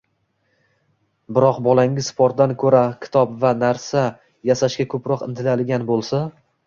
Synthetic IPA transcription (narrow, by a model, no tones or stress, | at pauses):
bɪɾɒqbɒlˠaŋʲɪzpʰɒɾt̪̚d̪ankʰɵɾakʲʰɪ̥t̪ʰɒpvanaɾsa | jasaʃkʲakʰɵpɾɒqɪnt̪ʰɪlalɪɡʲanbolˠsa